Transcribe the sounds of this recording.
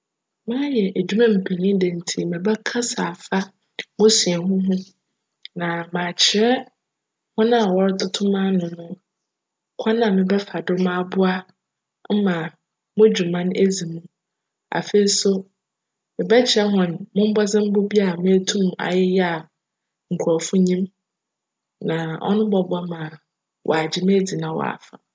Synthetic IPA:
mã˦jɛ˨ʔæ˨d͡ʑu˦mã˦m̩˨pʰe˨ɲĩ˦dɛ˨n̩˨tʰi˦mɪ̃˨bɛ˦kʰa˦sa˨fa˦ | mʊ̃˦si˨ɛ˨ɦʊ̃˦ɦʊ̃˦ | nã˨mã˨t͡ɕʰɪ˨ɾɛ˦ | hʊ̃˦nã˦a˨wɔ˦ɾdʊ˦tʰʊ̃˦mã˦nʊ̃˨nʊ̃˦ | kʷʰa˦nã˦˨mɪ̃˨bɛ˦fa˨dʊ˦mã˦bʊ˦a˦ | m̩˦mã˨ | mʊ̃˦d͡ʑu˨mã˦ne˦d͡zi˨mũ˦ | a̰˨fe˨i˨˦so˦ | mɪ̃˨bɛ˦t͡ɕʰɪ˨ɾɛ˦ɦɔ̃˨n˨mʊ̃˦m̩˦bɔ˦d͡zɪ̃˦m̩˦bʊ˦bi˦a˨mẽ˦tʰũ˦m˨a̰˨jɪ˦jɛ˦a˨ | ŋ̩˨kʷʰu˨ɔ˨fʊ˦ɲĩ˦m | nã˨ɔ̰˦nʊ̃˦bɔ˨bʊ˦a˦mã˨ | wʔɔ̰˨a˨d͡ʑɪ˨me˦di˨nã˨wɔ̰˨a̰˨fa̰˨

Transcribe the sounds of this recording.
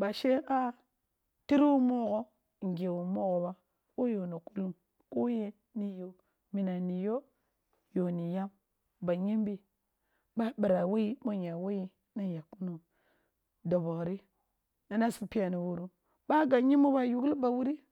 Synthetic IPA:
ba˨ʃe˦a˦ | ti˦ɾwu˦mo˦ɣo˦˨ | ŋ˨ɡʲe˨wu˨mo˦ɣo˨ba˦ | ko˦jo˨ni˨ku˦lu˦m | ko˦je˦ | ni˨jo˨ | mi˨na˨ni˨jo˦ | jo˨ni˨ja˦m | ba˨ɲi˦mbi˨ | ba˦bi˨ɾa˨wo˦ji˦ɓo˦ɲa˨wo˦ji˦ | na˦ja˨ku˦no˨ | do˨bo˨ɣɾi˦ | na˨na˦si˦pi˦ja˨ni˨wu˦ɾu˦ | ba˦ɡa˨ɲi˦mu˦ba˦ju˨ɡba˨wu˦ɾi˦

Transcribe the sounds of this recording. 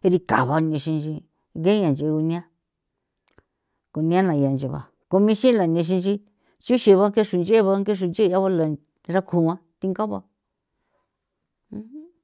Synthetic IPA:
e˧ɾi˧ka̰˨βa˧nẽ˧ʃĩ˧nt͡ʃi˧ | ɣe˦ɲã˨nd͡ʒe˧u˧nĩ˧ã˦ | ko˧nĩ˧˦ã˦nã˨˧a˨nd͡ʒe˧βa̰˨ | ko˧mĩ˦˧ʃĩ˦la˨nẽ˧ʃ̬ĩ˧nt͡ʃi˧ | t͡ʃu˦ʃi˧βa˧˦ŋke˦ʃu˧nd͡ʒe˦˧βa˧˦ŋke˦ʃ̬u˧nd͡ʒe˦˧a˦βa˦la˨ | ɾa˦kʰu˧˨ã˦t̪i˧ŋɡa˦βa̰˧˦

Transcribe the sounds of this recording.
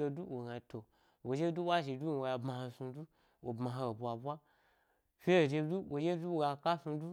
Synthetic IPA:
o˧du˦wo˨ɡa˧to˨ | wo˨d͡ʒe˦du˦wʷa˦ʒi˨du˦n˨wo˨˧ja˧bmã˧ha˧sũ˧du˦ | wʔo˨bmã˨ɦa˧˨bʷa˨bʷa˦ | fʲe˦o˨ʒe˧du˦wʔo˨d͡ʒe˦du˦wo˨ɡa˧ka˦su˧du˦

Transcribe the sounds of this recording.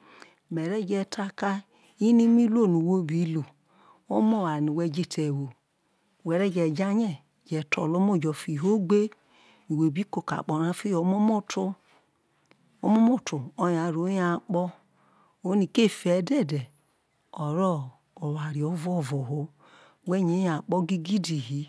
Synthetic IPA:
mɛ˨ɾɛ˦˨d͡ʒɛ˧ta˧ka˦ | i˦ni˦mi˦lo˦˨nu˨wo˦bi˨˦lo˨ | o˦mo˦˨wa˨ni˨wɛ˧d͡ʒe˦˨tʰɛ˨wo˨ | wɛ˨ɾɛ˦˨d͡ʒɛ˨d͡ʒa˦ɲɛ˦˨d͡ʒɛ˨tɔ̰˨lo˦mo˦˨d͡ʒɔ˨fi˨ɦo˦ɡ͡be˦ | ni˨wo˨bi˦ko˨ka̰˨k͡pɔ˨ɾa˦fi˦o˨˦mo˦mo˦tu˦ | o˦mo˦mo˦˨tu˨o˧ja˨ɾo˨˦ja˨k͡pɔ˦ | o˦ni˧˨ke˦˨fɛ˨˦dɛ˦˨dɛ˨ | ɔ˨ɾɔ˦˨ | o˨wa˨ɾi˨ɔ˨˦vɔ˦˨vɔ˨ɦo˧ | wɛ˦ɲe˨˦a˨k͡pɔ˦ɡi˦ɡi˦di˨ɦi˨˦

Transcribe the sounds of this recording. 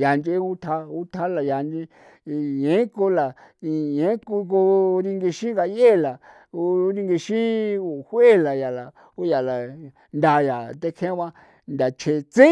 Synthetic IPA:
ja˨nd͡ʒe˦u˦t̪ʰa˧u˦t̪ʰa˧la˨ja˨nd͡ʒĩ˧ | jẽ˨˦ko˧la˨i˧jẽ˨˦ku˧ko˧ɾi˧ŋɡe˧ʃĩ˦ŋɡa˧je˦˨la˨ | o˧˦ɾi˧ŋɡe˧ʃĩ˦u˧hwe˦˨la˨ja˨la˨ | u˦ja˨la˨ | nd̪a˧ja˨t̪e˧kʰẽ˦βã˧ | nd̪a˨t͡ʃʰe˧t͡se˦

